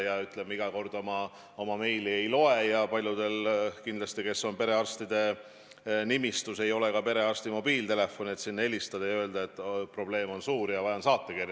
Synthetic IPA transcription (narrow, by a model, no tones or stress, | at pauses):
jɑyt̪ːˑlemːeiɡ̥ɑko̞rd̪̥o̞mɑ | o̞mɑme̞jlie̞jlo̞e̞jɑpɑlʲjud̪̥e̞lkind̪lɑst̪ike̞sːo̞npe̞ɾe̞ɑrst̪id̪e̞ | nimist̪use̞jo̞lekɑpe̞ɾe̞ɑrst̪imo̞biːlt̪e̞le̞fːo̞niet̪sinːe̞lʲist̪ɑd̪ɑjøːld̪ɑe̞t̪ːˑpro̞b̥le̞ːmo̞nsuːɾjɑvɑjɑnsɑːt̪ːekir